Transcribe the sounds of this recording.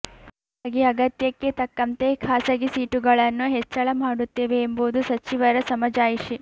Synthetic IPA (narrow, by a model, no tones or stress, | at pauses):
ɐɡiɐɡɐt̪jɐkːet̪ɐkːɐnt̪e̞kʰaːsɐɡisiːʈuɡɐɭɐnːuɦet͡ʃːɐɭɐmaːɽut̪ːe̞ːʋe̞ːmboːud̪usɐt͡ʃiʋɐɾɐsɐmɐd͡ʒaːjiʃi